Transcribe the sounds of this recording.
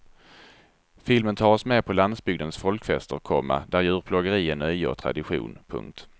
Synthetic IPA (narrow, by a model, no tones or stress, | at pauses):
fɪlmənt̪ʰɑːɔsmeːpʰɔland̪sbʏɡd̪ənsfɔlkfɛst̪əɾkʰɔmːa̰d̪æɾjʉ̟ːɾpʰlɔɡəɾiːənœjə̰ːt̪ʰɾa̰d̪ɪɧṵːnpʰɵ̰ŋk̚t̪